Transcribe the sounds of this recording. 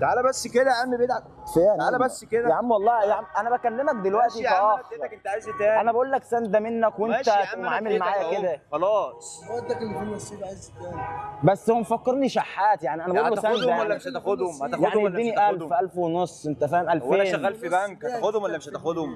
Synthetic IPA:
ʕalæbæsːked̪æʔæmːibed̪ʕa | fæːnalæbæsːked̪jaæmwɑlˤːɑːjamʔænæbækælːemæk̚d̪elwæʔt̪iæɑːeækʔent̪ʕajzt̪æːænæbæʔuːlːæksænd̪æmenːækwent̪æmʕaːmelmaʕaːjæked̪æxɑlɑːsˤ | od̪æekunæsibʕajzt̪æːnibæsːhomfækːeɾniʃaħːaːt̪jaʕniʔænæbæʔuːlːosæælːæmeʃt̪æxod̪omjaʕid̪ːiːniʔælfʔælfwenosˤːent̪æfiːænʔælfwæeæːnæɣælfibæŋkxod̪homwælːæmeʃæt̪æxod̪hom

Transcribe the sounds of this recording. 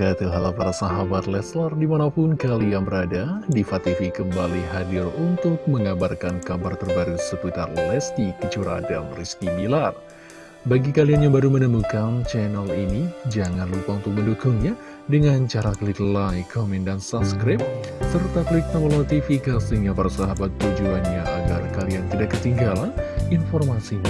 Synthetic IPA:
əat̪ilɦalapaɾasaɦabat̪lɛslərdimanapʊnkaliaŋbəɾadadifat̪ifikəmbaliɦadɪrunt̪ʊk̚məŋabarkankabart̪ərbaɾusəput̪a̰rlɛst̪ikət͡ʃuɾa̰da̰nrist̪ibilar | baɡikalianjaŋbaɾumənəmukant͡ʃɛnəlinid͡ʒaŋanlupaunt̪ʊk̚məndukʊŋɲa | dəŋant͡ʃaɾakliklajkʰɔmɛndansaskɾɪp̚sərt̪aklɪk̚t̪əmlot̪ifikasiɲapaɾasaɦabat̪ːud͡ʒuanɲaʔaɡarkaliant̪idaʔkːət̪iŋɡalaninfɔrmasiɲa

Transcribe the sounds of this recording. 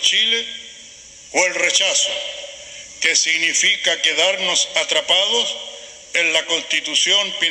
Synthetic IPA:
t͡ʃile | welret͡ʃaso̥ | kesiɣnifikakeðaɾnosat̪ɾapaðos | enlakonst̪it̪usjompe

